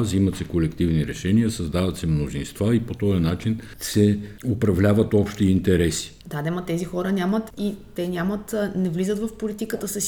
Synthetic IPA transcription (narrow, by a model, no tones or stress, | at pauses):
zimɐt̪sɛkolɛkt̪ivniɾɛʃɛniəsɐzd̪avɐt̪sɛmnozinst̪vaipot̪ɔjɐnat͡ʃin | sɛʊpɾɐvlʲavət̪ɔpʃt̪iːnt̪ɛɾɛsi̥d̪ad̪ɛmɐt̪ɛzixɔɾənʲamət̪it̪ɛnʲamət̪nɛvlizət̪vəfpolit̪ikət̪əsəs